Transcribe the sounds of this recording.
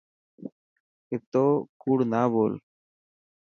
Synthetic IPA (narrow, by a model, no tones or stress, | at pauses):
ɪt̪oːkuːɽnaːboːl